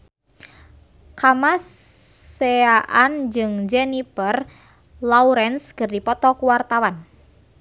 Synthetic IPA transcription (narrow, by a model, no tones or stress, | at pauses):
kamas | eaʔand͡ʒɨŋd͡ʒɛnipər | lauɾɛnskɨrdipɔt̪ɔkuwart̪awan